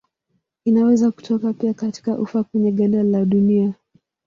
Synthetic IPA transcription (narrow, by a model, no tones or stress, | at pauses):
inawɛzaku̥tɔkapiakati̥kaʔṵfakwɛɲɛɠandalaɗunia